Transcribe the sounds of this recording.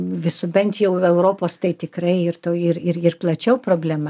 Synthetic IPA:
ʋʲɪsʊbʲɛnt̪jɛʊɛʊɾoːpoːst̪ɐɪt̪ʲɪkɾɐɪɪɾt̪oːɪɾɪrɪrplˠɐt͡ʃʲɛʊpɾoːbʲlʲæmɐ

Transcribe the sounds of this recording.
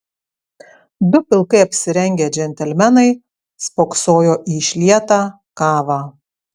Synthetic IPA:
d̪ʊpʲɪlˠkɐɪɐpʲsʲɪɾʲɛŋʲɡʲeːd͡ʒʲɛnʲt̪ʲɛlʲmʲɛnɐɪ | spoːksoːjoːʔiːʃʲlʲiɛt̪ɑː | kɑːʋɑː

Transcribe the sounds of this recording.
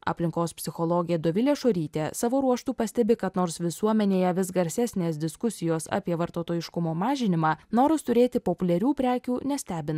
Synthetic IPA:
ɐ̰pʲlʲɪŋkoːspʲsʲɪxɔlˠoːɡʲɪjɛd̪oːʋʲɪlʲeːʃoːɾʲiːt̪ʲeːsɑːʋoːɾuɔʃt̪uːpɐsʲt̪ʲɛbʲɪkɐt̪noːɾsʋʲɪsuɔmʲɛnʲeːjɛʋʲɪs̬ɡɐɾʲsʲæːsʲnʲeːsd̪ʲɪskʊsʲɪjoːsɑ̰ːpʲiɛʋɐɾt̪oːt̪oːjɪʃkʊmoːmɑːʒʲɪnʲɪmɑːnoːɾɪst̪ʊɾʲeːt̪ʲɪpopʊlʲɛɾʲuːpʲɾʲæːkʲuːnʲɛsʲt̪ʲæːbʲɪnɐ

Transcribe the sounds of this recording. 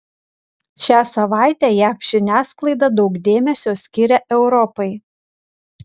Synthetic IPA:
ʃʲæːsɐʋɑˑɪt̪ʲæːjæːfʒ̥ʲɪnʲæːsklˠɐɪd̪ɐd̪ɒʊkd̪ʲeːmʲɛsʲoːsʲkʲɪɾʲɛʔɛʊɾɔpɐɪ

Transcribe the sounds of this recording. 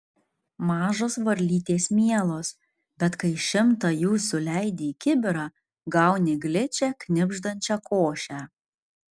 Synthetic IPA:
mɑːʒoːsʋɐɾʲlʲiːt̪ʲeːsmʲiɛlˠoːs | bʲɛt̪kɐɪʃʲɪmt̪ɑjuːsʊlʲæɪd̪ʲeːkʲɪbʲɪɾɑː | ɡɐʊnʲeɡlʲɪt͡ʃʲɛkʲnʲɪbʲʒd̪ɐnʲt͡ʃʲɛkoːʃʲæː

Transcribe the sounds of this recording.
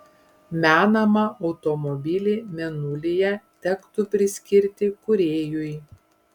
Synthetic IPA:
mʲæːnɐmɐʔɒʊt̪ɔmɔbʲɪlʲeːmʲɛnʊlʲejɛt̪ʲɛkt̪ʊpʲɾʲɪsʲkʲɪɾʲt̪ʲɪkʊɾʲeːjʊj

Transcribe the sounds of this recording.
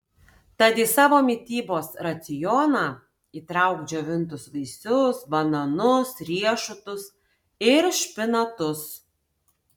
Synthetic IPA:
t̪ɑd̪ʲɪsɑːʋoːmʲɪt̪ʲiːboːsɾɐt̪sʲɪjɔnɑː | iːt̪ɾɐˑʊɡd͡ʒʲoʋʲɪnt̪ʊsʋɐɪsʲʊsbɐnɐnʊsɾʲiɛʃʊt̪ʊs | ɪɾʃʲpʲɪnɐt̪ʊs

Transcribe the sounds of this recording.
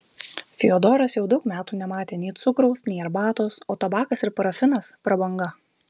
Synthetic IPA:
fʲɪod̪ɔːɾɐsjɛʊd̪ɐʊkmʲæːt̪uːnʲɛmɑːt̪ʲeːnʲɛːt̪sʊkɾɔʊsnʲɛːɛɾbɑːt̪oːsoːt̪ɐbɑːkɐsɪɾpɐɾɐfʲɪnɐspɾɐbɐŋɡɐ

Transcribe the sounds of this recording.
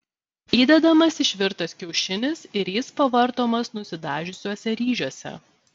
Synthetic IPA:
iːd̪ʲɛd̪ɐmɐsɪʃʲʋʲɪɾt̪ɐskʲɛʊʃʲɪnʲɪsɪɾjɪspɐʋɐɾt̪oːmɐsnʊsʲɪd̪ɑːʒʲʊsʲoːsʲɛɾʲiːʒʲoɔsʲɛ̰

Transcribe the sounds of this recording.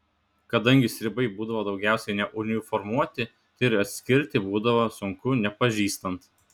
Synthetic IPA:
kɐd̪ɐŋʲɡʲɪsʲɾʲɪbɐɪbuːd̪ɐʋoːd̪ɒʊɡʲæˑʊsʲɛɪnʲɛʔʊnʲɪfɔɾmuɔt̪ʲɪ | ɪɾɐt̪ʲsʲkʲɪɾʲt̪ʲɪbuːd̪ɐʋoːsʊŋkʊnʲɛpɐʒʲiːst̪ɐnt̪

